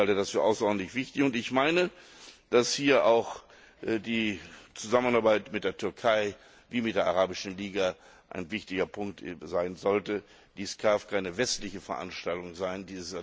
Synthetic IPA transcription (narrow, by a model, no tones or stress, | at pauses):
altədasfyːɐʔa̰ʊsɐʔɔːdn̩tlɪçv̥ɪçtɪçʊntɪçmaɪnəd̥ashiːɐʔaʊx | diːt͡suzamənaɐbaɪtmɪt̚d̥eːɐtʰʏɐkʰaɪ | viːmɪtd̥eːɐʔaʁaːbɪʃn̩liːɡa | ʔa̰ɪnvɪçtɪɡɐpʰʊŋk̚tzaɪnzɔltə | d̥iːskʰaːfkʰaɪnəvɛstlɪçəfɛɐʔa̰nʃtaltʊŋzaɪndiːzəs